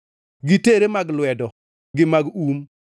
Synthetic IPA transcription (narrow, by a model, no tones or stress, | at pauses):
ɡiteɾemaɡluedɔ | ɡimaɡum